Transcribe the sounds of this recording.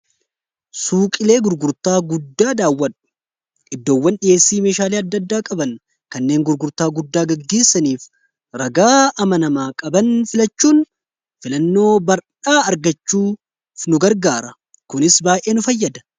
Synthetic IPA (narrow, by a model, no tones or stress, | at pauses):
suːkʼɪle̞ːɡʊɾɡʊɾt̪aːɡʊd̪ːaːd̪aːwːɐᶑʊ̥ | ɪd̪ːo̞ːwːɐnɗɪje̞ːsːiːme̞ːʃaːleːɐd̪ːɐd̪ːaːkʼɐbɐn | kɐnːe̞ːŋɡʊɾɡʊɾt̪aːɡʊd̪ːaːɡɐɡːe̞ːsːɐniːf | ɾɐɡaːʔɐmɐnɐmaːkʼɐbɐnfɪlɐt͡ʃːuːn | fɪlɐnːo̞ːbɐɾᶑaːɐɾɡɐt͡ʃːuː | nʊɡɐɾɡaːɾɐ | kʊnɪsbaːjʔe̞ːnʊfɐjːɐd̪ɐ̥